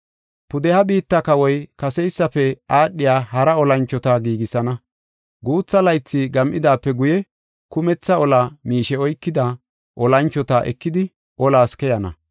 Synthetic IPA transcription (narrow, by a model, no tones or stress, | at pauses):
pʊd̪ɛhɐbiːt̪ːɐkɐwɔjkɐsɛjsːɐfɛaːɗːɪjaːɦɐɾɐɔlɐnt͡ʃːɔt̪ɐɡiːɡɪsɐnɐ | ɡuːt͡sːɐlɐjt͡sːɪɡɐmʔɪd̪aːpːɛɡʊjɛ | kʊmɛt͡sːɐɔlɐmiːʃɛɔjkːɪd̪ɐ | ʔɔlɐnt͡ʃːɔt̪aʔɛ̰kːɪd̪ɪ | ʔɔlaːskɛjɐnɐ̰